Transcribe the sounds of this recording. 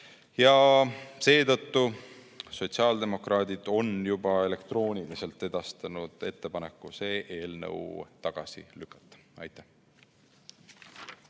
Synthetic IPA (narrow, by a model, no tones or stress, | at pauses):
jɑse̞ːt̪ɤt̪ːu | so̞t̪ʲsiɑːld̪̥e̞mo̞krɑːd̪̥ʲid̪̥o̞njub̥ɑe̞le̞kt̪ro̞ːnʲilise̞lt̪ːˑe̞d̪̥ɑst̪ɑnud̪̥e̞t̪ːe̞pɑne̞kːˑuse̞ːʔe̞ːlnə̰wt̪ɑɡ̥ɑ̰sḭlykːˑɑ̥t̪ːˑɑ̥ɑjt̪ːˑæ̥h